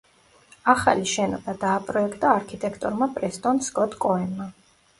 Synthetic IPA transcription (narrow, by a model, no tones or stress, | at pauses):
aχa̰liʃɛnɔbad̪aːpʼɾɔɛkʰt̪ʼaːɾkʰit̪ʼɛkʰt̪ʼɔɾmapʼɾɛst̪ʼɔnskʼɔt̪ʰʼkʼɔɛnma